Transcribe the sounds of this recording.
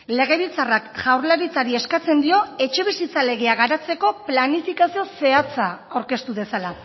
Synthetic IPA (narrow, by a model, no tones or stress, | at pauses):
le̞ɣ̞e̞βit͡sarakʝawrlaɾit͡saɾie̞skat͡se̞nd̪io̞e̞t͡ʃe̞β̞isit͡sale̞ɣ̞e̞aɣaɾat͡se̞ko̞planifikasio̞se̞at͡saawɾke̞st̪uðe̞sala